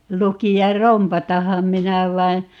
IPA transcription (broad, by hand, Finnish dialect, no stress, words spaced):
lukiɑr rompɑtɑhɑm minæ ʋɑin̞